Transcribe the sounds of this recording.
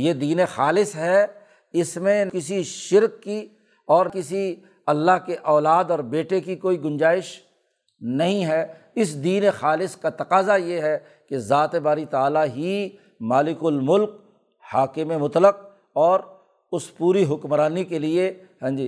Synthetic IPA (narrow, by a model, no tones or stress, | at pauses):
jeːd̪iːnexaːlɪsɦɛ | ɪsmẽkɪsiʃɪɾkːi | ɔːɾkɪsi | ɐlːaɦkeʔɔːlaːd̪ɔːɾbeːʈekikoːiɡʊ̃nd͡ʒaːɪʃ | nɐɦĩɦɛː | ɪsd̪iːnexaːlɪskat̪ɐqaːzajeɦɛ | kezaːt̪ebaːɾit̪aaːlaɦi | maːlɪkʊlmʊlk̚ | haːkɪmẽmʊt̪ləq̚ | ɔːɾ | ʊspuːɾiɦʊkmɾaːnikelie | ɦɛ̃ːd͡ʒi